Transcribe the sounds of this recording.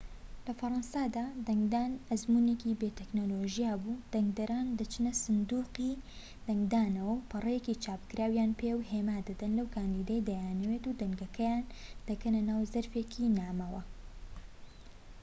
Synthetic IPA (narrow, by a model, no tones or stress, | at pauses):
lɐfɐɾˤɐnsad̪aːd̪ɐŋɡd̪aːnɐzmuːnekibeːt̪eknoːloʒijaːbuːd̪̥ɐŋɡd̪ɐɾaːnd̪ɐt͡ʃɨnɐsɨnd̪uːqiː | d̪̥ɐŋɡd̪aːnɐwɐwpʰɨrˤɐjecit͡ʃaːpkɨɾaːwjaːnpʰewheːmaːd̪ɐd̪ɐnlɐwkʰaːnd̪iːd̪ejd̪ɐjaːnɐweːt̪ud̪ɐŋɡɐkʰɐjaːnd̪̥ɐkɐnɐnaːwzɐɾfekʰiːnaːmɐwɐ